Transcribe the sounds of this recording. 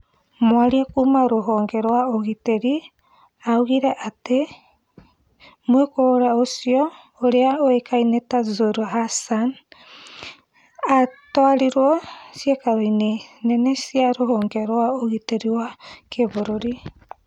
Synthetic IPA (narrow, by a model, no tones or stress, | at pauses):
moaɾiakumaɾoɦoŋɡeɾoaoɣiteɾi | awɡiɾaʔate | muekoɾaosioː | ɾeaoekʰajnetazoɾɦasan | atoaɾiɾoosiekaojnenenesiaɾoɦoŋɡeɾoaoɡiteɾioakʰeboɾoɾi